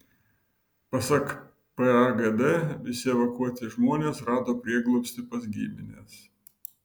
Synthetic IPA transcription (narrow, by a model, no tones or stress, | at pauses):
pɐsɐk | pɛɐɡɛd̪ɛʋʲɪsʲɪɛʋɐkuɔt̪ʲɪʒmuːnʲeːsɾɑːd̪oːpʲɾʲiɛɡlˠɔpsʲt̪ʲɪpɐzʲɡʲḭːmʲɪnʲḛːs